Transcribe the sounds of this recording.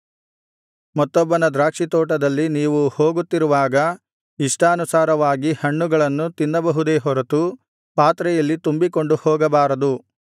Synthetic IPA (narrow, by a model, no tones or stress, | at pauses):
mɐt̪ːɔbːɐnɐd̪ɾaːkʂit̪ɔːʈ̬ɐd̪ɐlːiniːʋuhoːɡut̪ːiɾuʋaːɡɐ | iʂʈɐːnusaːɾɐʋaːɡihɐɳːuɡɐɭɐnːut̪inːɐbɐɦud̪eːɦɔɾɐt̪u | paːt̪ɾɛjɐlːit̪umbiko̞ɳɖuhɔːɡɐbaːɾɐd̪u